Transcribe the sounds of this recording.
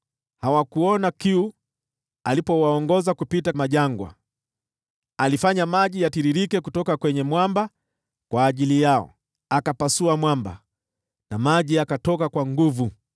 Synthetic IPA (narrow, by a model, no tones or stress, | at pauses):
hawakuɔnakiu | alipɔwaɔŋɡɔzakupitamaʄaŋɡwa̰ | alifaɲamaʄijatiɾiɾikɛkutɔkakwɛɲɛmwamba | kwaːʄilijaɔ̰ | akapasuamwamba̰ | namaʄiakatɔkakwaŋɡuvu